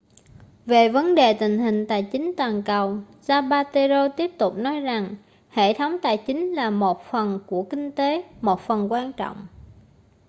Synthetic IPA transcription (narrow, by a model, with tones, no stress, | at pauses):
ve˨˩və˨˦nɗe˨˩t̪ï˨˩ŋ̟ɦï˨˩ŋ̟t̪aː˨˩jt͡ɕï˨˦ŋ̟t̪waː˨˩nkə˨˩w | zaː˧ɓaː˧t̪e˧zo˧t̪i˦˥əp̚t̪ʊ˨˩k͡p̚nɔ˨˦jza˨˩ŋ | hḛ˧˨t̪ʰə˨˦wŋ͡mt̪aː˨˩jt͡ɕï˨˦ŋ̟laː˨˩mo˨˩t̚fə˨˩nku˧˩əkï˧ŋ̟t̪e˨˦mo˨˩t̚fə˨˩nkwaː˧nt͡ɕɔ̰˧˨wŋ͡m